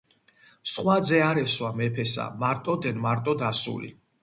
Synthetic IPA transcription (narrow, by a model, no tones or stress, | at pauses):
sχwad̪zɛaɾɛswamɛpʰɛsa̰maɾt̪ʼɔd̪ɛnmaɾt̪ʼɔd̪asṵlḭ